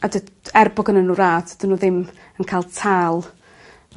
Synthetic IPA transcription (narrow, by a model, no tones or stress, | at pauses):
adəɛrbɔɡənənuːɾaːdʰd̥ənuːðɪm | ənkʰaːlˠtʰaːlˠ